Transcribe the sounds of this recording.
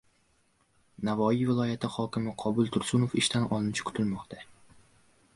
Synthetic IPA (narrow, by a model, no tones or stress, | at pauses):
navɒijvɪlˠɒjat̪ʰɪhɒkʲʰɪmɪqʰɒbʊlˠt̪ʰʊɾsʊnofɪʃt̪ʰanɒ̰lˠɪnɪt͡ʃʰḁkʰʊ̥t̪ʰɪlmɒqt̪ʰa